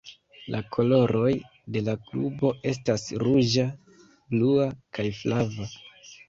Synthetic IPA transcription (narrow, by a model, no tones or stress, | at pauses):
lʔakʰo̞lo̞ɾʔo̞j | de̞laklubo̞ʔe̞s̬tasɾud͡ʒa | bluakajflava